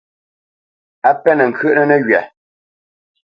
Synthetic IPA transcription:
a˦pɛ˦nə˨ŋ̩˨kʰə˦ʔnə˦nə˦ɣɥɛ˨

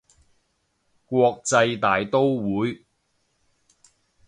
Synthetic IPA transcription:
kʷɔː˧k̚t͡sɐ˧jt̪aː˨˩jt̪o˥wwuː˨˥j

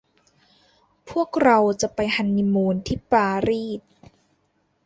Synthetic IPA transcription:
pʰu˥˩ək̚ɾa˧wt͡ɕa˨˩pa˧jha˧nːi˧muː˧nt̪ʰiː˥˩paː˧ɾiː˥˩t̪̚

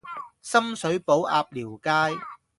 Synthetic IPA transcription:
sɐ˥msɵ˨˥ɥpo˨˥wʔa̰ː˧p̚liː˨˩wkaː˥j

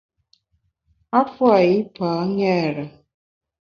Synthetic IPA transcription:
a˦fwa˨i˦paː˨˦ŋɛ˦˨ɾa˨

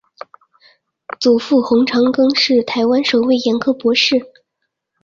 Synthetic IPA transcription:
t͡su˨˩fu˥˩xʊ˧˥ŋʈ͡ʂʰɑ˧˥ŋkɤ˥ŋʂɻ̩˥˩t̪ʰa˧˥ɪwa˥nʂo˨˩ʊwe˥˩ɪjɛ˧˥nkʰɤ˥pwɔ˧˥ʂɻ̩˥˩

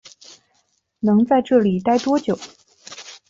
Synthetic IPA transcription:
nɤ˧˥ŋt͡sa˥˧ɪʈ͡ʂɤ˥˩li˨˩t̪a˥˩ɪt̪wɔ˥t͡ɕjo˨˩˦ʊ

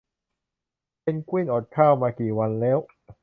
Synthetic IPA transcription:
pe˧nkwi˥˩nʔɔː˨˩t̪̚kʰaː˥˩wmaː˧kiː˨˩wa˧nlɛː˦˥w

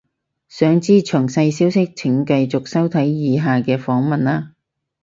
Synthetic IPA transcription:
sœː˨˧ŋt͡siː˥t͡ʃʰɵ˨˩ŋsɐ˧jsiː˥wsɪ˥k̚t͡sʰɪ˨˩ŋkɐ˧jt͡sʊ˨k̚sɐ˥wt̪ʰɐ˨˥jjiː˨˧ɦaː˨kɛː˧fɔː˨˥ŋmɐ˨naː˥

